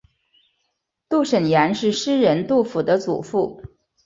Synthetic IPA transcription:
t̪u˥˩ʂə˨˩nja˧˥nʂɻ̩˥˩ʂɻ̩˥ɻə˧˥nt̪u˥˩fu˨˩d̪ə˦t͡sṵ˨˩fu˥˩

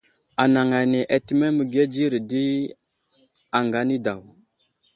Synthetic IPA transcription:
a˨na˨ŋa˨ne˨ʔa˨ti˦me˦mə˨ɡe˦d͡ʒi˦ɾi˨di˦ | a˨ŋɡa˨˦ni˦da˨w

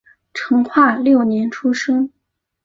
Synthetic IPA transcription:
ʈ͡ʂʰɤ˧˥ŋxʰwa˥˧ljo˥˩ʊnjɛ˧˥nʈ͡ʂʰu˥ʂɤ˥ŋ

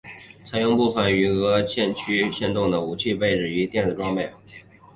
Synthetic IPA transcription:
t͡sʰa˧˥ɪjʊ˥˧ŋpu˥˩fə˨˩ny˧˥ɣɤ˧˥ɕʰjɛ˥˧nt͡ɕʰy˥ɕjɛ˥˧nt̪ʊ˥˩ŋd̪ə˩u˨˩t͡ɕʰy˥˧pe˥˧ɪʈ͡ʂɻ̩˨˩y˧˥t̪jɛ˥˩nt͡s̩˨˩ʈ͡ʂwɑ˥ŋpe˥˩ɪ˧˥t͡ɕʰɛ˥

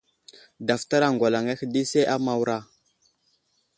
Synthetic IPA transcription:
da˨fta˦ɾa˨ŋɡʷa˨la˨ŋa˦xdi˦se˦ʔa˦ma˨wɾa˦˨

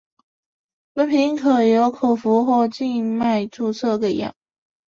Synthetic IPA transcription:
mə˧˥npʰi˧˥ŋkʰɤ˨˩jo˧˥ʊkʰo˨˩ʊfu˧˥xwɔ˥˧t͡ɕi˥˧nma˥˧ɪʈ͡ʂu˥˧t͡sʰɤ˥˧kə˨˩ɪjɑ̰˨˩˦ŋ

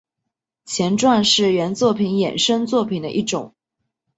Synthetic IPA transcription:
t͡ɕʰjɛ˧˥nʈ͡ʂwa˥˧nʂɻ̩˥˩ɥɛ˧˥nt͡swɔ˥˩pʰi˧˥njɛ̰˨˩nʂɤ˥ŋt͡swɔ˥˩pʰi˨˩nd̪ə˦ʔi˥˩ʈ͡ʂʊ˨˩˦ŋ

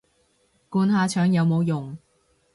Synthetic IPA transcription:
kuː˧nɦaː˨˧t͡ʃʰœː˨˥ŋjɐ˨˧wmo˨˧wjʊ˨˩ŋ

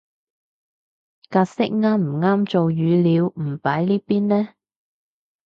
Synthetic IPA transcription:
kaː˧t̚sɪ˥k̚ŋaː˥nm̩˨˩ŋaː˥mt͡so˨wjyː˨˧liː˨˧wm̩˨˩paː˨˥jliː˥piː˥nlɛː˥

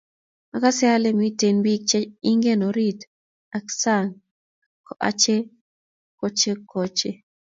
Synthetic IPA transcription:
ma˨ka˦sɪa˦le˦mi˦te˨nbi˦k̚t͡ʃe˦i˦ŋɡe˦no˨ɾi˦t | a˨ksa˦˨ŋ | kɔa̰˦t͡ʃe˦ | ko˦t͡ʃe˦ko˦t͡ʃe˦

